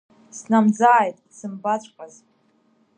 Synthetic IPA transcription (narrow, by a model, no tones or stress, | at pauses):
snamd͡zaːjtʼisɨmbat͡ɕʷʼqʼaz